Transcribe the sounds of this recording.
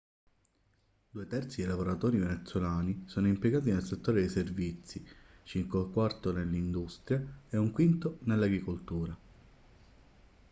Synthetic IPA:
d̪uːet̪ɛrt̪silavoɾat̪oːɾivenet̪sːolaːnisoːnoimpjeɡaːt̪̬inelset̪ːoːɾed̪eservit̪sːi | t͡ʃiŋkeakːwart̪onelːind̪ust̪ɾjaeuŋkwint̪onelːaɡɾikolt̪uːɾa

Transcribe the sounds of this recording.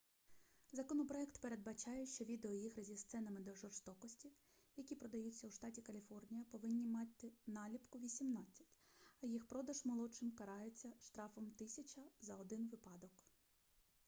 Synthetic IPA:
zɐkɔnɔpɾɔɛkt̪pe̞ɾed̪̚bɐt͡ʃɑjɛʃt͡ʃɔʋʲid̪eɔjixɾɐzʲist̪sɛnɐmɪd̪ɔʒɔrst̪ɔkɔsʲtʲiw | jɐkʲipɾɔd̪ɐjut͡sʲːɐwʃt̪ɑtʲikɐlʲifɔrnʲijɐpɔʋɪnʲːimɑt̪ʲːɪnɑlʲipkʊʋʲisʲimnɑt͡sʲːɐ̥tʲɐjixpɾɔd̪ɐʒmɔlˠɔt͡ʃɪmkɐɾɑɦet͡sʲːɐʃt̪ɾɑfɔmt̪ɪsʲɐt͡ʃɐzɐɔd̪ɪnʋɪpɑd̪ɔk

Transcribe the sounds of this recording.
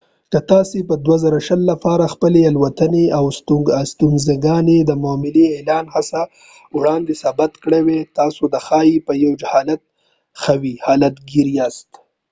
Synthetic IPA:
kət̪ɑsepəd̪wazaɾaʃəlːafɑɾaxpəlealwat̪əneawst̪st̪unzaɡɑned̪əmɑːmɪleelɑːnhasa | wɽɑnd̪esabat̪kɽewet̪ɑsod̪əxɑjipəjawd͡ʒahɑːlat̪̚ | xawihɑːlat̪ɡiɾijɑst̪

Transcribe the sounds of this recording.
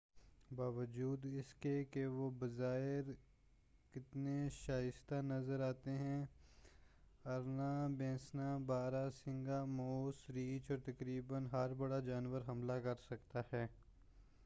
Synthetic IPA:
baːʋəd͡ʒuːd̪ɪskekeʋobɐzaːɪɾ | kɪt̪neʃaːjɪst̪anɐzəɾaːt̪eɦɛ̃ | ɐɾnabɛ̃ːsnabaːɾasɪ̃ŋɡamoːsɾiːt͡ʃɔːɾt̪ɐkɾiːbənɦɐɾbɐɽad͡ʒaːnʋəɾɦɐmlakɐɾsɐkt̪ahɛː

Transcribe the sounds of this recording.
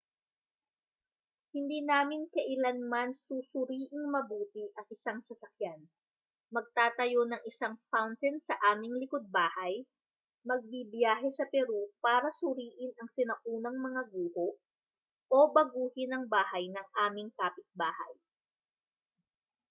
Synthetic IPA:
hɪnd̪iːnaːmɪnkɐʔɪlanmansusʊɾiːʔɪŋmɐbuːt̪ɪʔɐŋʔɪsaŋsɐsɐk̚jan | mɐɡ̚t̪aːt̪ɐjo̞nɐŋɪsaŋfawnt̪ɛnsɐʔaːmɪŋlɪkod̪̚baːhɐj | mɐɡ̚bibjaːɦɛsɐpɛɾupaːɾɐsʊɾiːʔɪnɐŋsɪnɐʔuːnɐŋmɐŋaɡuːhoʔ | ʔobɐɡuːhɪnɐŋbaːhɐjnɐŋʔaːmɪŋkaːpɪt̪̚baːhɐ̰j

